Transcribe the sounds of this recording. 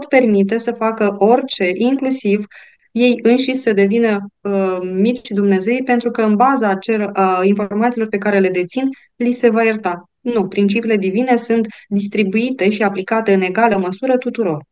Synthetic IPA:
po̞t̪pe̞rmit̪e̞səfakəʔo̞rʲt͡ʃe̞ʔiŋklusiv | je̞jɨnʃisəd̪e̞vinəəmit͡ʃʲd̪umne̞ze̞jpe̞nt̪ɾukəɨnbazat͡ʃelinfo̞rmansilo̞rpe̞kaɾe̞le̞d̪e̞t̪sin | lise̞vajərt̪a | nupɾint͡ʃipiːle̞d̪ivine̞sunt̪d̪ist̪ɾibuit̪e̞ʃiaplikat̪e̞ɨne̞ɡaləməsuɾət̪ut̪uɾo̞r

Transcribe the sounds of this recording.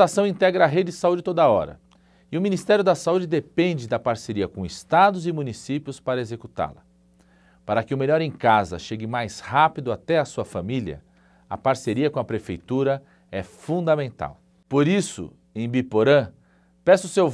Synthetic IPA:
asɐ̃w̃ĩnt̪ɛɡɾɐːɦed͡ʒɪɪsaud͡ʒɪt̪od̪ɐɔɾɐ̰ | ɪʊminist̪ɛɾjʊd̪ɐsaud͡ʒɪd̪epẽnd͡ʒɪd̪ɐpaɾseɾiɐkõɪst̪ad̪ʊzɪmũnisipjʊspaɾɐezekut̪a̰lɐ | paɾɐkɪʊmeʎɔɾẽj̃kazɐ̰ʃeɡɪmajshapid̪ʊat̪ɛɐsuɐfamiljɐ̰ | ɐ̰paɾseɾiɐkõɐpɾefejt̪uɾɐ | ɛfũd̪amẽnt̪a̰w | poɾisʊ̰ | ẽj̃bipoɾɐ̃ | pɛsʊsew

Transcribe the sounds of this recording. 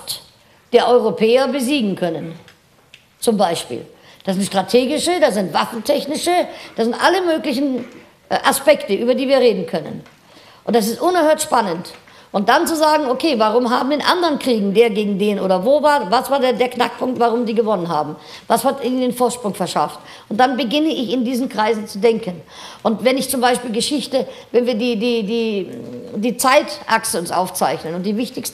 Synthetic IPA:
t | d̥eːɐʔɔʏʁopʰɛːɐbəziːɡŋ̩kʰœnən | t͡sʊmbaɪʃpḭːl | d̥aszɪntʃtʁ̥atʰeːɡɪʃədazɪntv̥afn̩tʰɛçnɪʃəd̥aːszɪntʔaləmøːklɪçn̩ | ʔaspɛktəʔyːbɐdiːviːɐʁeːdn̩kʰœnə̰n | ʔʊntd̥as̬ɪstʔʊnɛɐhøːɐtʃpanənt | ʔʊnt̚d̥ant͡suzaːɡŋ̩okʰeːvaʁ̞ʊmɦa̰ːbm̩deːnʔa̰ndəʁənkʁ̥iːɡŋ̩deːɐɡeːɡŋ̩deːnʔoːdɐvoːvaːɐvasv̥aːɐdeːdeːɐknak̚pʰʊŋk̚tv̥aʁʊmdiːɡəvɔnənɦa̰ːbm̩ | vashatɪdeːnfoːɐtʃpʁ̥ʊŋfɛɐʃa̰ft | ʊnt̚d̥anbəɡɪnəɪçɪndiːzn̩kʁ̥aɪzn̩t͡sudɛŋkən | ʔʊntvɛnɪçt͡sʊmbaɪʃpiːlɡəʃɪçtəvɛnviːɐdiːdiːdiː | diːt͡saɪtʔaksəʊnsʔa̰ʊft͡sa̰ɪçnənʊntd̥iːvɪçtɪçst̩

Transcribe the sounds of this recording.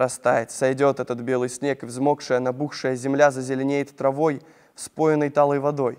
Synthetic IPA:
ɾɐst̪ajɪt̪sajdʲot̪ɛt̪ət̪bʲelˠɨjsʲnʲekvzmɔkʂɨjənabuxʂɨjəzʲɪmlʲazɐzʲɪlʲɪnʲejɪt̪ːɾavoj | fspojɪnəjt̪alˠəjvad̪oj

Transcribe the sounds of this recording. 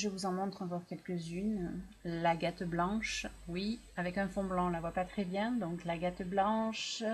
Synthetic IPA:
ʒəvuzɑ̃mɔ̃t̪χɑ̃vɔʁkʲɛlkəzyn | laɡat̪blɑ̃ʃwi | avɛkɛ̃fɔ̃blɑ̃lavwapat̪χɛbjɛ̃d̪ɔ̃klaɡat̪blɑ̃ʃ

